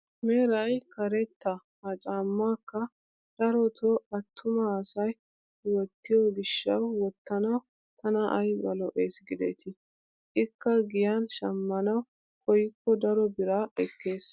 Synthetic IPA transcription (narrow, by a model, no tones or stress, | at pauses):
meːɾɐjkɐɾɛt̪ːɐ | ɐt͡ʃʼaːmːaːkːɐ | d̪̥ɐɾɔt̪ʰɔɐt̪ʰːʊmɐːsɐj | wɔt̪ːɪjɔɡɪʃːɐwːɔt̪ːɐnɐw | t̪ɐnɐʔɐjbɐlɔʔeːsɡɪd̪ɛ̰t̪ɪ | ʔɪkːɐɡɪjanʃɐmːɐnɐw | kɔjɪkːɔd̪ɐɾɔbɪɾaːɛkːe̞ːs